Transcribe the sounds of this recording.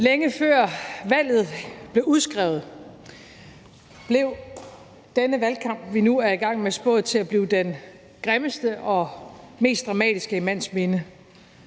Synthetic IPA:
leŋəfɶɐ̰ʋæl̰ð̞̩ˠb̥le̝ʊuðˠsɡ̥ʁɛ̰ʊð̞̩ˠ | b̥le̝ʊ | d̥enəʋælkʰɑ̈m̰b̥ʋinuæɐiɡ̥ɑ̈ŋ̰mesb̥ɔ̽ːð̩ˠt͡sʰe̝læb̥liːʊd̥en | ɡ̥ʁeməsd̥əʔɒ̽me̝̰ːsd̥ʁɑ̈mɛ̰ːd̥isɡ̥əimæn̰sme̝nə

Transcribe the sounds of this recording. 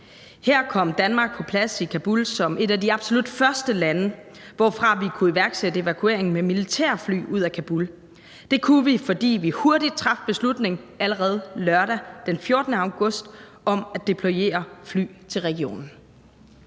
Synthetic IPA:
heɐ̰kʰɒ̽m̰d̥ænmɑ̈ːɡ̥̚pʰɒ̽pʰlæsikʰæb̥ulsɒ̽mʔe̝ɾæd̥iɑ̈b̥so̝lud̥fɶɐsd̥əlænə | ʋɒ̰fʁɑ̈ʋikʰuiʋæɐɡ̥sedəe̝ʋækʰue̝̰ɐ̰eŋ̩memilit͡sʰɛ̰ɐfly̰ːuð̞̰ˠækʰæb̥ul | d̥e̝kʰuʋifɒ̽d̥ḭːʋihu̝ɐd̥id̥̚t͡sʰʁɑ̈fb̥e̝slud̥ne̝ŋ | æləʁɛð̞̩ˠlɶɐɾæd̥enfjo̝ɐd̥nəɑ̈ʊɡ̥ɔ̽sd̥ | ɒ̽mæd̥e̝pʰlo̝e̝̰ːɐfly̰ːt͡sʰe̝lʁɛɡ̥io̝̰ːnn̩

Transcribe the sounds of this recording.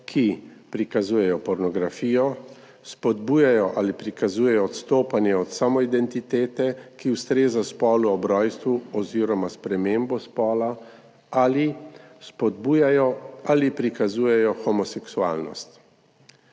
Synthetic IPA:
kʰipɾikazuːjɛjɔpɔɾnɔɡɾafiːjɔ | spɔd̪buːjajɔʔalipɾikazuːjɛjɔɔt̪st̪oːpanjɛɔt̪samɔid̪ɛnt̪it̪eːt̪ɛkiwst̪ɾeːzaspɔːluɔbɾɔːjst̪ʋuɔziːɾɔmaspɾɛmembɔspɔːla | alispɔd̪bujajɔalipɾikazuːjɛjɔxɔmɔsɛksua̰ːlnɔ̰st̪

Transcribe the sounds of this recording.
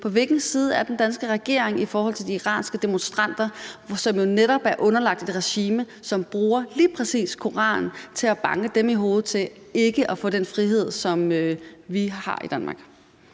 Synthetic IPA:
pʰɒ̽ʋe̝lɡ̥n̩siːð̞ˠəæɐd̥end̥ænsɡ̥əʁɛɡ̥e̝̰ɐ̰eŋifɒːhɒ̽l̰t͡sʰe̝ld̥iiʁɑ̰̈ːnsɡ̥əd̥e̝monsd̥ʁɑ̈n̰d̥ɐsɒ̽mjo̝neɾɒ̽b̥æɐʔɔ̽nɐlɑ̈ɡ̥̚d̥ed̥ʁɛɕiːmə | sɒ̽mb̥ʁuːɐliːpʰʁɛsḭːskʰo̝ʁɑ̰̈ːnt͡sʰe̝læb̥ɑ̈ŋəd̥emiɦo̝ːð̩ˠt͡sʰe̝l | e̝ɡ̥əʔæfɔ̰d̥enfʁiɦe̝ð̞̰ˠsɒ̽mʋihɑ̰̈ḭd̥ænmɑ̈ːɡ̥

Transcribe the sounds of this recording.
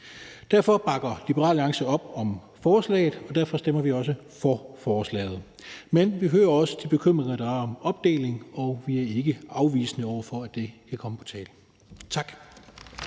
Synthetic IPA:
d̥æɐ̰fɒ̽b̥ɑ̈ɡ̥ɐlib̥əʁɑ̰̈ːlɑ̈ŋsəɒ̽b̥̚ɒ̽m | fɒːslɛ̰ːɪð̩ˠɒ̽d̥æɐ̰fɒ̽sd̥emɐʋiɒ̽sə | fɒfɒːslɛ̰ːɪð̞̩ˠ | menʋiɦøːɐɒ̽sə̥d̥ʰib̥e̝kʰøm̰ʁeŋɐd̥ɑ̈æɐɒ̽mɒ̽b̥̚d̥e̝̰ːle̝ŋɒ̽ʋiæɐe̝ɡ̥əɑ̈ʊʋḭːsnəɒʊ̰ɐfɒ̽æd̥e̝kʰækʰɒ̽məpʰɒ̽t͡sʰɛːl | t͡sʰɑ̈ɡ̥

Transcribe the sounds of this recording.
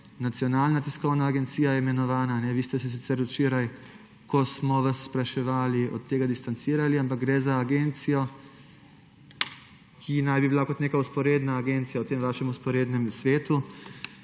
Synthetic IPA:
nat̪sijɔnaːlnat̪iskɔwnaːɡɛnt̪siːjajɛimɛnɔʋaːnaːnɛʋiːst̪ɛsɛs̬it̪ɛɾut͡ʃeːɾaj | kɔsmɔʋasːpɾaʃɛʋaːliɔ̰t̪ːeːɡad̪ist̪ant̪siːɾaliamp̬ak̚ɡɾɛzaːɡeːnt̪sijɔ | kʰinajbibilakɔt̪neːkauspɔɾeːd̪naːɡent̪sijawt̪eːmʋaːʃɛmuspɔɾeːd̪nɛmsʋeːt̪u

